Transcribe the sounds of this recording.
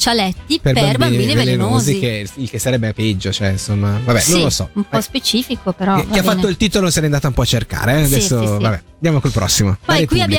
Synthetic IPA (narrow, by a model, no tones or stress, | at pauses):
t͡ʃalɛt̪ːiperbbambiːnivelenoːzikeilk̟esːaɾɛbːepɛd͡ʒːot͡ʃoɛinsomːavabɛnõnlːosɔ̰umpɔspet͡ʃiːfikopeɾɔkːiafːat̪ːoilt̪iːt̪olosiɛɾɛind̪aːt̪aumpɔat͡ʃːerka̰ːɾead̪ɛsːovabɛd̪jamokolpɾɔ̰sːimoaɛkwiaj